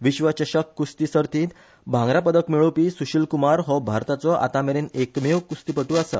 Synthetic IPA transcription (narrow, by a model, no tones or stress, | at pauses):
ʋiɕʋət͡ɕəɕəkːust̪isəɾt̪ʰiːt̪ | bʱãŋɡɾapəd̪əkmiɭopiːsuɕilkumaɾɦɔbʱaɾt̪at͡sɔʔa̰t̪ameɾenekmewkust̪ipəʈuasə̰